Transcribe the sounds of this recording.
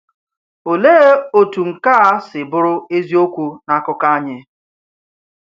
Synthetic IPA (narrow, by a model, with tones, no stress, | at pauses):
o˨le˦o˨tu˨ŋ̩˨ka˦sɪ˨bʊ˦ɾʊ˦e˦zi˦o˦kʷu˦na˦kʊ˦ka˦a˦ɲɪ˦